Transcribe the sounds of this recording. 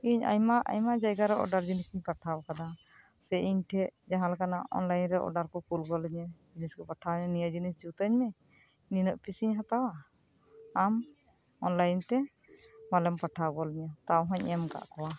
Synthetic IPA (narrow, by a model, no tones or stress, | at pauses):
iɲa̰ɲmaʔa̰ɲmaʔd͡ʒajɡaɾɛʔɔ̰ɖaɾd͡ʒinisiɲpaʈʰaɔkad̪a | sɛiɲʈʰɛʔd͡ʒaɦãlakanaʔɔ̰nlajnɾɛʔɔ̰ɖaɾkɔkulɡɔlɛɲɛd͡ʒiniskɔpaʈʰaɲɛnijad͡ʒinisd͡ʒut̪əɲmɛ | ninɔʔpisiɲɦat̪awaː | m | ɔnlajnt̪ɛ | malɛmpaʈʰaɡɔlɛɲɛt̪awɦɔ̃ɲɛmɡa̰ʔkɔwa